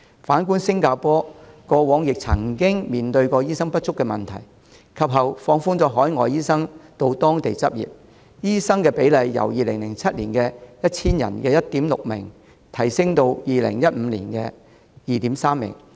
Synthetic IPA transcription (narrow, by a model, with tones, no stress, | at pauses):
faː˨˥nkuː˥nsɪ˥ŋkaː˧pɔː˥kɔː˧wɔː˨˥ŋjɪ˨k̚t͡sʰɐ˨˩ŋkɪ˥ŋmiː˨nt̪ɵ˧ɥkɔː˧jiː˥sɐ˥ŋpɐ˥t̚t͡ʃʰʊ˥kːɛː˧mɐ˨˩nt̪ʰɐ˨˩j | kʰɐ˨p̚ɦɐ˨wfɔː˧ŋfuː˥nt͡sɔː˨˥ɦɔː˨˥jŋɔː˨jiː˥sɐ˥ŋt̪o˧wt̪ɔː˥ŋt̪e˨jt͡sɐ˥p̚jḭː˨˩p̚ | jiː˥sɐ˥ŋkɛː˧pe˨˥jlɐ˨˧jːɐ̰˨˩wjiː˨lɪ˨˩ŋlɪ˨˩ŋt͡sʰɐ˥t̚liː˨˩nkɛː˧jɐ˥t̚t͡sʰiː˥njɐ̰˨˩nkɛː˧jɐ˥t̚t̪iː˨˥mlʊ˨k̚mɪ̰˨˩ŋ | t̪ʰɐ˨˩jsɪ˥ŋt̪o˧wjiː˨lɪ̰˨˩ŋjɐ˥t̚m̩˨˧lḭː˨˩nkɛː˧ | jiː˨t̪iː˨˥msaː˥mːɪ̰˨˩ŋ